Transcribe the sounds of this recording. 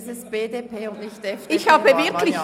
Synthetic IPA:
sɪsb̥eːdeːpʰeːʊndnɪçtɛfɪçhaːbəvɪɐkʰlɪç

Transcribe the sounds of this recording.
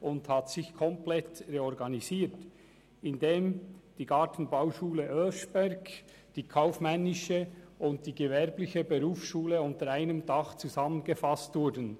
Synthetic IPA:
ʔʊnthatsɪçkʰɔmplɛtʁeɔɾɡɑniziːt | ɪndeːmd̥iːɡɑːtn̩bawʃuːləʔœlʃb̥ɛɾɡ | d̥iːkʰaʊfmɛnːɪʃəʔʊnt̚d̥iːɡəvɛɾblɪçəbeɾuːfsʃuːləʊntəɾaɪnəmdɑχt͡suzɑmənɡəfɑstvʊɾdn̩

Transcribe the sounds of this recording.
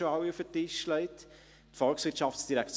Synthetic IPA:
oɑwiufətɪʃʃlɛɪt̪ | tfɔlksʋɪɾtʃɑftsd̥iɾækt͡s

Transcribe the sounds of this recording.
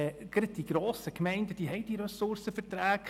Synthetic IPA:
ɡ̥ɾət̪iɡ̥ɾɔːsəkmɛɪntəd̥iɦɛɪdiɾœsʊrsəfərt̪ɾæːk

